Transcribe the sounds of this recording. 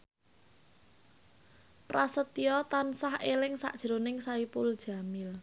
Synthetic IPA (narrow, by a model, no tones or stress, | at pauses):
prasət̪iɔt̪ansahelɪŋsa̰ʔd̥ʒ̥ɾonɪŋsaipʊld̥ʒ̥a̤mɪl